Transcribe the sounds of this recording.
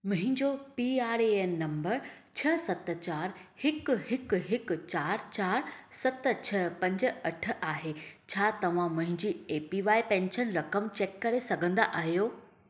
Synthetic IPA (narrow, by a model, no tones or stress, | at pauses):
mʊ̃ɦɪ̃ɲd͡ʑopiːaːɾeeːnːɐ̃mbəɾ | t͡ɕʰɐsɐt̪̆t͡ɕaːɾhɪkɦɪkɦɪk̆t͡ɕaːɾt͡ɕaːɾsɐt̪t͡ɕʰɐpɐ̃ɲd͡ʑə̆ɐʈ̆ʰʔaːɦet͡ɕʰaːt̪ɐʋ̤ãmʊ̃ɦɪ̃ɲd͡ʑiːeːpiʋaːipɛ̃ːnʃənɾɐkəmt͡ɕeːkːɐɾesɐɡʱə̃nd̪aʔaːɦijoː